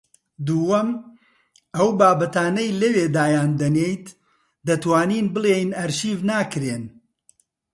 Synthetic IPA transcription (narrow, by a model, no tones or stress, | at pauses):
d̪uːwɐm | ɐwbaːbɐt̪aːnɐjlɐweːd̪aːjaːnd̪ɐnejt̪ | d̪ɐt̪waːniːnbɨlˠejnɐɾʃiːvnaːkɾeːn